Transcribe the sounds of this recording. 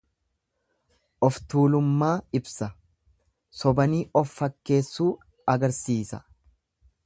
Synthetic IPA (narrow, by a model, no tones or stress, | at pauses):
ʔɔft̪uːlʊmːaːɪbsɐ | sɔbɐniːʔɔfːɐkːe̞ːsːuː | ɐɡɐɾsiːsɐ